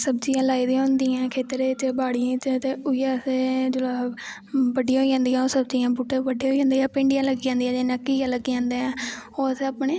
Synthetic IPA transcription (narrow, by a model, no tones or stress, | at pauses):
səbd͡ʒijãːlaːiːd̪ĩɦʊ̃nd̪iːãːkʰeːt̪ɾeːt͡ʃbaːɽijãːt͡ʃt̪eʊɪjãːsed͡ʒʊlaː | ʋəɖɪjãːɦoiãːnd̪ijãːoːsəbd͡ʒiːãːbuːʈẽːʋəɖẽoiːãːnd̪iːãːpẽːɳɖɪjãːləɡiːjãːnd̪ijãːd͡ʒeːnəkːijãːləɡijãːnd̪eːãːoːəseapɳeː